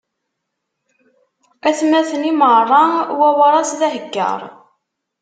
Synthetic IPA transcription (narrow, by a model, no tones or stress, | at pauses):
æθmːæθənimərˤːɑwæwɑɾˤɑsðæɦəɡːə̰ɾˤ